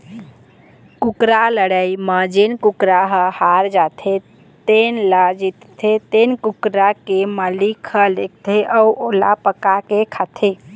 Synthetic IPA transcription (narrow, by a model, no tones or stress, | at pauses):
kʊkɾaləɽəiməd͡ʒenkʊkɾaɦəhaːɾd͡ʒat̪ʰe | t̪enlad͡ʒit̪t̪ʰet̪eːnkʊkɾakeməlikʰəlek̚ʰt̪ʰeʔəuʔola̰pəkakekʰat̪ʰe